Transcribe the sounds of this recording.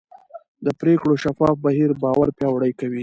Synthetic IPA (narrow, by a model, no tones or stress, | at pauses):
d̪əpɾekɽoʃafɑfbaɦiɾbɑwaɾpjɑwɽəjkawi